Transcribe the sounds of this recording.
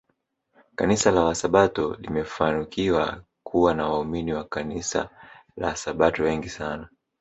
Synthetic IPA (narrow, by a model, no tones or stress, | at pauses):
kanisalawasaɓatɔlḭmɛfanikiwa̰ | kʰuwanawauminiwakanisa̰la̰wasaɓatɔwɛŋɡisana